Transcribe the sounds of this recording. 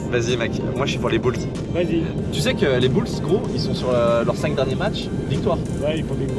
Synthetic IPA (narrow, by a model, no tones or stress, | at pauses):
vazimak | mwḁʃipuʁlebuls | vazit̪ysɛkəlebulsɡʁoilsɔ̃syʁølœʁsɛ̃ŋk̚d̪ɛʁnjemat͡ʃ | vik̚t̪waːʁ | wɛifɔ̃vi